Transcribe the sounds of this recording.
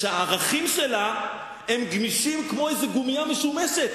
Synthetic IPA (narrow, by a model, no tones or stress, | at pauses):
ʃeaːʁaχimʃela | emɡmiʃimkmo̞ejzeɡumijameʃumeʃet̪